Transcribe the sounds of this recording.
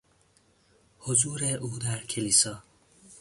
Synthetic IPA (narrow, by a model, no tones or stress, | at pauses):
hozuːɾeʔuːd̪æɾcʰeliːsɒː